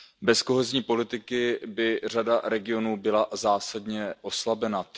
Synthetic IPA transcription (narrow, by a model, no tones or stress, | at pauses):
bɛsko̞ɦɛzɲiːpo̞lɪt̪ɪkɪbɪr̝adaɾɛɡɪo̞nuːbɪlazaːsadɲɛʔo̞slabɛna